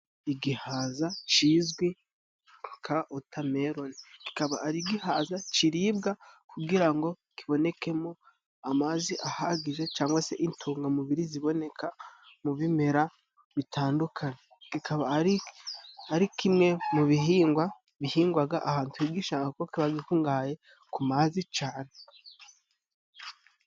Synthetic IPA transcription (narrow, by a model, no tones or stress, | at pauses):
iɡihaːzat͡ʃiːzɡwi | kʰaʔotʰame̞ɾo̞niki̥kaβaaɾiɡihaːzat͡ʃiɾiːbɡakuɡiɾaŋɡo̞ | kiβo̞ne̞ke̞mo̞ | amaziʔahaɡize̞t͡ʃaːŋɡwase̞ʔintʰuːŋɡamuβiɾiziβo̞ne̞kʰamuβime̞ɾa | βitʰaːndukʰaɲekikʰaβai | aɾikʰimŋe̞muβiɦiːŋɡwa | βihiːŋɡwaɡaʔahaːntuiɡiʃaːŋakokiβaɡikuŋɡaːje̞ | kumaːzit͡ʃaːne̞